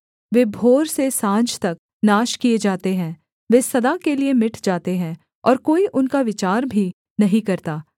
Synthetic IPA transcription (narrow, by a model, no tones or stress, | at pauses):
ʋeːbʱoːɾsesãːd͡ʒt̪ɐk̚ | naːʃkied͡ʒaːt̪eɦɛ̃ː | ʋeːsɐd̪akeliemɪʈʰd͡ʒaːt̪eɦɛ̃ | ɔːɾkoːiʔʊnkaʋɪt͡ʃaːɾbʱi | nɐɦĩkɐɾt̪aː